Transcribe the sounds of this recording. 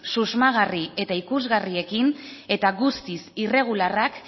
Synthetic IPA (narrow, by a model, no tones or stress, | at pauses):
suzmaɣ̞arie̞t̪aikuzɣarie̞kine̞t̪aɣust̪isire̞ɣ̞ularak